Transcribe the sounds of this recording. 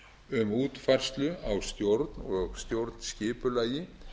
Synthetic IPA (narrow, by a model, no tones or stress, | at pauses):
ʏmuːt̪fajr̥st̪lʏawst̪jowɾt̪nɔɣst̪jowɾt̪nscɪːpʏlaːjɪ